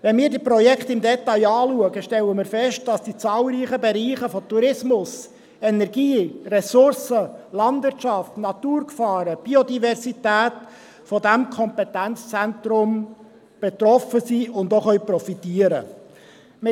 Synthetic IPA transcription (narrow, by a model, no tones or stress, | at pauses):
ʋɛnmiːɾdipɾɔjɛkχt̪ɪmdɛt̪ɑjɑːluəɡəʃtɛləmɪːɾfɛʃt̚d̥ɑsd̥it͡sɑːlɾiːχəbɛɾiːχəfɔt̪uɾɪsmʊs | ɛnɛɾɡiːrɛsʊɾsəlɑnd̪vɪɾtʃɑftnɑt̪uːɾkfɑːɾəb̥iodivɛɾsitæːt | fɔd̪æmkʰɔmpɛt̪ænt͡st͡sænt̪ɾʊm | b̥ɛt̪ɾɔfəsiʊnd̪oχœɥprɔfit̪iːəɾə̰ | m